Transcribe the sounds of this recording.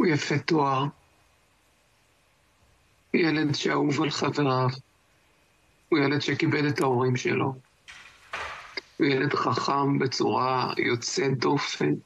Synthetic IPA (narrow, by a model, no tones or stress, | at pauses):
ujafet̪oaʁ | ujele̞ddʃeauvalχaveʁav | ujele̞dʃekibeletaoʁimʃḛlo̞ | ujele̞d̪χaχambe̞t͡suʁajot͡sed̪o̞fen